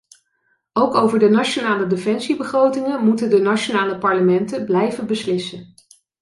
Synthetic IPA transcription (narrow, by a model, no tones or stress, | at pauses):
owkowvəɹdənat͡ʃonaːlədefɛnsibəχrowtɪŋənmutəndənat͡ʃonaːləpɑɹləmɛntəblɛjvənbəslɪsən